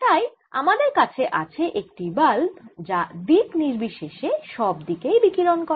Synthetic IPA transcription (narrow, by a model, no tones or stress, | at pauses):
ʈ̪aj | a̰mad̪eɾkat͡ɕʰeʔat͡ɕʰeʔek̚ʈibald͡ʑad̪ikniɾbiʃeʃeʃɔbd̪ikejbikiɾonko